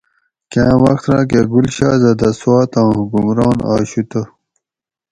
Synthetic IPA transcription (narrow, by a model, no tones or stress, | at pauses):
kãːwɐxt̪ɾã̰ːk̬eɡulɕa̰ːzɐd̪ɐswaːt̪ãːhuɡumɾɑːna̰ːɕut̪o